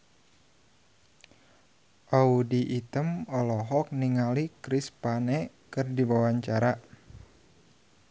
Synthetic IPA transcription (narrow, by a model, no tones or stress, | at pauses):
ʔaudiʔːt̪əmɔlɔɦɔk̚niŋalikɾispane | kɨrdiwawaɲt͡ʃaɾa